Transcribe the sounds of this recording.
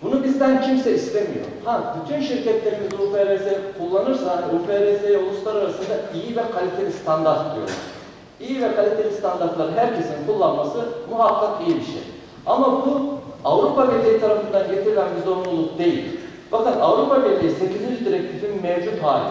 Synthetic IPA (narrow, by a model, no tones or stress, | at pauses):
bunubizd̪æncʰimsɛist̪ʰemḭjo̰habyt̪ʰynʃiɾcʰɛt̪lʲe̞ɾimizufeɾezekʰulˠːanɯɾsaufeɾesejɛo̞lˠuslˠaɾaɾasɯnd̪aijivɛkʰalʲit̪ʰe̞lʲist̪ʰand̪aɾt̪̚id̪ijo̰lˠa̰ɾ | ijivɛkʰalʲit̪ʰe̞lʲist̪ʰand̪aɾt̪lˠaɾɯnɦæɾcʰe̞sinkʰulˠːanmasɯmuɦakːakijibiʃḛj | amabuavɾupamellʲijit̪ʰaɾafɯnd̪aɟet̪ʰiɾilʲænbizoɾulˠuk̚d̪e̞jḭlʲ | bakɯnavɾupabelʲijise̞cizind͡ʒid̪iɾɛc̚t̪ʰifinmɛvd͡ʒut̪haːlʲi